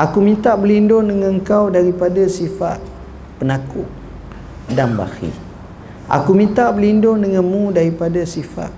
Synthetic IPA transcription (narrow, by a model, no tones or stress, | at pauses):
ʔakumĩnt̪aʔbəlindʊŋdəŋaŋkawdaɾipadasifat̪̚ | pənakʊ̰ʔ̚ | danba̰hḭ | ʔa̰kumĩnt̪aʔbəlindʊŋdəŋanmũdaɾipadasifa̰ʔ̪̚